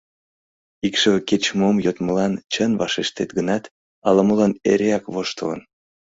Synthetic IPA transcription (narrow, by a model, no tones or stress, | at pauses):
ikʃəket͡ɕmomjot̪məlɑnt͡ɕənvɑʃeʃt̪et̪ɡənɑt̪ | ɑləməlɑnḛɾeɑkβoʃt̪ə̰lə̰n